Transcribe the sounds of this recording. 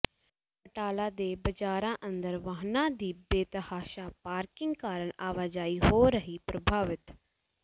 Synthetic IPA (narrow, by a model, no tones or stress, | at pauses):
pəʈaːlãːd̪eːbəd͡ʒaːɾãːʔə̃nd̪əɾʋaːɦnãːd̪iːbeːt̪əhaːʃaːpaːɾkɪ̃ŋɡkaːɾəɳaːʋaːd͡ʒaːiːɦoːɾəɦiːpɾəbʱaːʋɪt̪